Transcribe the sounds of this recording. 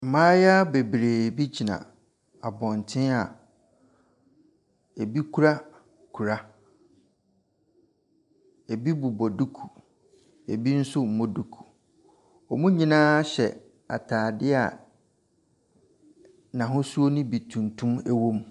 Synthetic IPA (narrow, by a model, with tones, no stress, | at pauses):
m̩˨mãː˦ja˦be˨bɾeː˨bi˦d͡ʑi˨nã̰˨ | a˨bɔ̃˨n˨tʰɪ̃˦a˨ | e˨bi˦kʰu˦ɾa˦ | kʰu˨ɾa˦ | e˨bi˦bu˨bɔ˨du˦kʰu˨ | e˨bi˦n̩˦sʊ˦m̩˨mɔ̃˦du˨kʰu̥˨ | ɔ˨mũ˦ɲĩ˦nãː˦ɕɛ̰˨ | a̰˨tʰaː˨dɪ˦a̰˨ | nã˨ɦʊ̃˦su˦o˦nʊ̃˦bi˨tʰũ˨ntʰũ˦mɛ˦wõ˦m